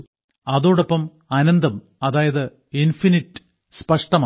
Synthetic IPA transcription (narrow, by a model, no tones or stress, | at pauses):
ɐðoːɽopːɐm | ɐnɐnd̪ɐm | ɐðaːjɐðɨ | infiniʈːɨ̥ | spɐʂʈɐmaː